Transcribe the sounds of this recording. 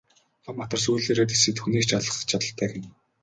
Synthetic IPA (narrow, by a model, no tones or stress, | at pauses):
χʰɔmːat̪ə̆rs̬ujɮeːɾeːt̪isɘ̆t̪xuniːkt͡ɕʰat̪ɮə̆χə̥̆t͡ɕʰat̪ə̆ɬt̪ʰæːɡɪ̆n